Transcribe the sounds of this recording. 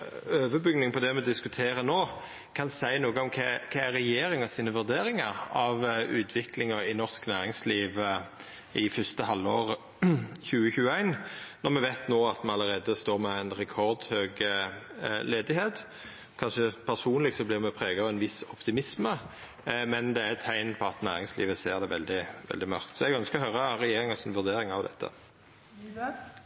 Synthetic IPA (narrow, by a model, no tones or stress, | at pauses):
øːʋəbʏɡnɪŋpʰɔd̪ɛmɛd̪ɪskʉt̪ʰeːɾənoː | kʰɑnsæɪnuːɡəɔmkʰɛkʰɑæʁɾɛjeːɾɪŋɑsiːnəʋʉɾd̪eːɾɪŋɑɾɑʋʉːt̪ʰʋɪklɪŋəɪnɔʁsknæːʁɪŋsliːʋ | ɪfʏst̪əhɑlːoːʁ | çʉːəçʉːəæɪnnɔʁmɛʋæɪt̪noːɑt̪mɛɑləɾeːd̪əst̪oːʁmɛæɪnɾɛkʰɔʁd̪høːɡə | leːd̪ɪheːt̪ | kʰɑnʃəpʰæʁsuːnlɪɡsɔblɪːʁmɛpʰʁeːɡɑɔʋɛnʋɪsɔpt̪ɪmɪsmə | mɛnd̪ɛæɛt̪ʰːæɪnpʰɔɑt̪næːʁɪŋslḭːʋəseːʁd̪ɛʋɛld̪ɪʋɛ̰ld̪ɪmɑ̰ʁkt̪sɔɛɡœnskəɔhœʏʁəɾɛjeːʁɪŋɑsɪnʋʉʁd̪eːɾɪŋɑʋd̪ɛ̰t̪ʰːə̰